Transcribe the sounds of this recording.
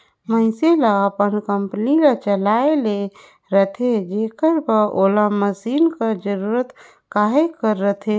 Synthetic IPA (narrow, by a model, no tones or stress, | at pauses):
məɪselaəpənkəmpənilat͡ʃəlaele | ɾət̪ʰed͡ʒekəɾpəʔolaməsiːnkəd͡ʒəɾuɾət̪ | kaɦekəɾːət̪ʰe